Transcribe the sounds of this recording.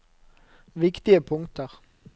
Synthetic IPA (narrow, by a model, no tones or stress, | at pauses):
ʋɪkt̪ɪəpʰʊŋt̪əʁ